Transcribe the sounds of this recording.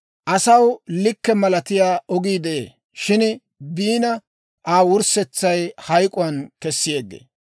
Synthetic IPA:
ʔɐsɐwlɪkːɛmɐlɐt̪ɪjaːɔɡiːd̪ɛʔḛː | ʃɪn | biːnɐ | ʔaːwʊɾsɛt͡sːɐjhɐjkʼʊwɐnkɛsːɪjeːɡːḛː

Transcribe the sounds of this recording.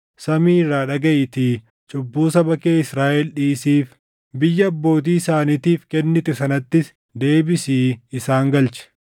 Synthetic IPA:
sɐmiːrːaːᶑɐɡɐʔɪt̪ɪ | t͡ʃʼʊbːuːsɐbɐkeːɪsɾaːʔɛlᶑiːsiːf | bɪjːɐːbːo̞ːt̪̬iːɪsaːnit̪iːfkɛnːɪt̪ɛsɐnɐt̪ːɪs | d̪e̞ːbɪsiːɪsaːŋɡɐlt͡ʃɛ̥

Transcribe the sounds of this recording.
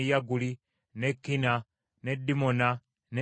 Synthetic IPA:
jaɡuli | nɛkːina | nɛdimɔna | nɛ

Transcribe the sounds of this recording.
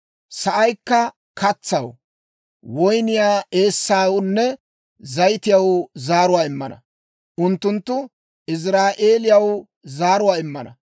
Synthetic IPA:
sɐʔɐjkːɐ | kɐt͡sːɐ̰w | wɔjnɪjaːe̞ːsːaːwnːɛ | zɐjt̪ɪjɐwzaːɾʊwaːɪmːɐ̰nɐ̰ | ʔʊnt̪ːʊnt̪ːʊ | ɪs̬ɾaːʔe̞ːlɪjɐw | zaːɾʊwaːɪmːɐnɐ̰

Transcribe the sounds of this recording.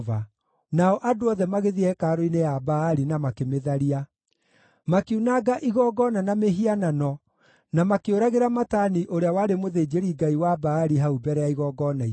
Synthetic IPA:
va | naɔʔadoɔðɛmaɣeðiɛkaːɾoinejabaːɾinamakemeðaɾia | makeunaɡaʔiɣɔɡɔnanameɦiananɔ | namakeoɾaɣeɾamataniʔoɾeawaɾemoðeːd͡ʒeɾiɡaiwabaːɾiɦaubɛɾɛjaiɣɔːɡɔnai

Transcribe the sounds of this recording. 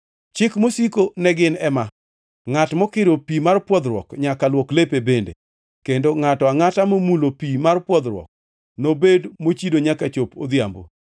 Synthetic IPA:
t͡ʃɪkmosikonɛɡɪnɛma | ŋatmɔkɪɾopimarpwɔd̪ɾwɔ̰kɲakalwɔklepebendḛ | kendoŋatɔaŋatamomulopimarpwɔd̪ɾwɔ̰k̚ | nobedmot͡ʃidoɲakat͡ʃopo̰d̪jambo̰

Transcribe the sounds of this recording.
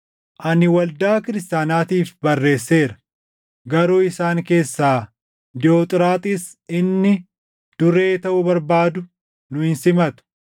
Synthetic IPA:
ʔɐnɪwɐld̪aːkɪɾɪst̪aːnaːt̪iːfbɐrːe̞ːsːe̞ːɾɐ̥ | ɡɐɾoːɪsaːŋke̞ːsːaː | d̪ɪoːt̪ʼɪɾaːt̪ʼɪs | ɪnːɪ | d̪̥ʊɾe̞ːt̪ɐʔʊbɐɾbaːd̪ʊ | nʊɪnsɪmɐt̪ʊ̥

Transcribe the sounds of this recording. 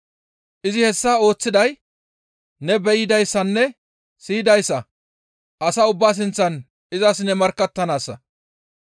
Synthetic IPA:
ʔɪzɪhɛsːaːo̞ːt͡sːɪd̪ɐj | nɛbɛjɪd̪ɐjsːɐnːɛ | sɪːɪd̪ɐjsːɐ | ʔɐsɐʊbːaːs̬ɪnt͡sːɐn | ɪzɐsnɛmɐɾkːɐt̪ːɐnaːsːɐ̰

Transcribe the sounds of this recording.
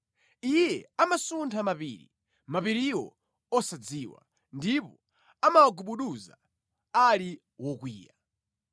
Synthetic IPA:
ijɛamasuntʰamapḭːɾḭ | mapiɾiwɔ̰ | ɔsad͡ziːwa̰ | ndipɔ | amawaɡuɓuɗuza̰ | ali | wɔkwiːja

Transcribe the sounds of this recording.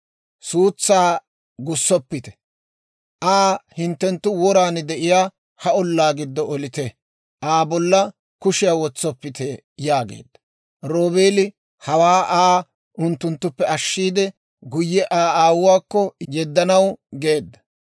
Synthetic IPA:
suːt͡sːaː | ɡʊsːɔpːɪt̪ɛ̥ | ʔaːhɪnt̪ːɛnt̪ːʊwɔɾaːnd̪ɛʔɪjaː | hɐɔlːaːɡɪd̪ːɔɔlɪt̪ɛ | ʔaːbɔlːɐ | kʊʃɪjawɔt͡sːɔpːɪt̪ɛ | jaːɡḛːd̪ːɐ̥ | ɾoːbeːlɪ | hɐwaːʔaː | ʔʊnt̪ːʊnt̪ːʊpːɛɐʃːiːd̪ɛ | ɡʊjːɛʔaːaːwʊwaːkːɔjɛd̪ːɐnɐwɡe̞ːd̪ːɐ̥

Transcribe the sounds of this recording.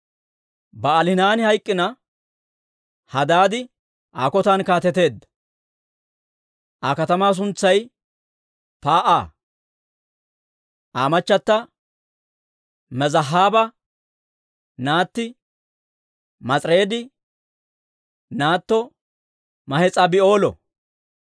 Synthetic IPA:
bɐːlɪnaːnɪhɐjkʼːɪnɐ | hɐd̪aːd̪ɪ | ʔaːkɔt̪aːnkaːt̪ɛt̪e̞ːd̪ːɐ̥ | ʔakɐt̪ɐmaːs̬ʊnt͡sːɐj | paːʔaː | ʔaːmɐt͡ʃːɐt̪ːɐ | mɛzɐɦːaːbɐ | naːt̪ːɪ | mɐt͡sʼɾe̞ːd̪ɪ | naːt̪ːɔ | mɐhɛt͡sʼɐbɪo̞ːlɔ̰

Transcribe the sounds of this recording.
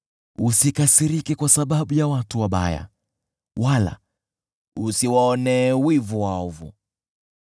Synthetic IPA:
usikasiɾikɛkwasaɓaɓujawatuwaɓa̰ja̰ | wala̰ | usiwaɔnɛːwivuwaɔvṵ

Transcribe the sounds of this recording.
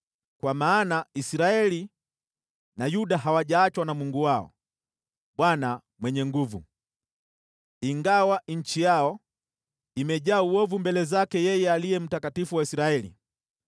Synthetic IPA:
kwamaːnaisɾaɛli | najuɗaɦawaʄaːt͡ʃwanamuŋɡuwaɔ̰ | ɓwana | mwɛɲɛŋɡuvṵ | iŋɡawaɲ̩t͡ʃijaɔ | imɛʄaːuɔvumbɛlɛzakɛjɛjɛalijɛm̩takatifuwaisɾaɛlḭ

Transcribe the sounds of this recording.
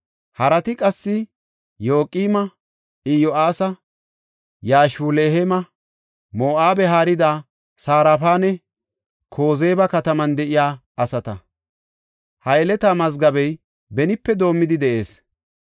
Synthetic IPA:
hɐɾɐt̪ɪkʼɐsːɪ | jo̞ːkʼiːmɐ | ɪjɔʔaːsɐ | jaːʃuleːhemɐ | moːʔaːbɛɦaːɾɪd̪a | saːɾaːfaːnɛ | kʰo̞ːzeːbɐkɐt̪ɐmɐnd̪ɛʔɪjaː | ɐsɐt̪ɐ̰ | hɐjɛlɛt̪aːmɐzɡɐbɛj | bɛnɪpːɛd̪o̞ːmːɪd̪ɪd̪ɛʔe̞ːs

